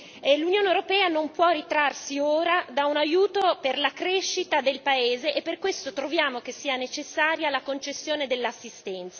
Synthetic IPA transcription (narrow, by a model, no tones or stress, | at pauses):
lunjoːnewɾopɛːanompwɔrit̪ɾarsioːɾad̪aunajuːt̪operlakɾeʃːit̪ad̪elpaeːzeʔepːerkwest̪ot̪ɾovjaːmokesːiːanet͡ʃesːaːɾjalakont͡ʃesːjoːned̪elːasːist̪ɛnt̪sa